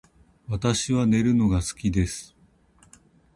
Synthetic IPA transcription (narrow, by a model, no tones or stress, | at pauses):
βat̪aɕiβane̞ɾɯ̟no̞ɡasɨ̥kʲid̪e̞sɨ̥